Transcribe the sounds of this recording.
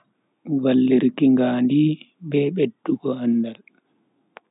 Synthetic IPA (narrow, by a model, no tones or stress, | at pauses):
walːiɾkiŋɡaːndi | bɛːɓedːuɡɔanːdal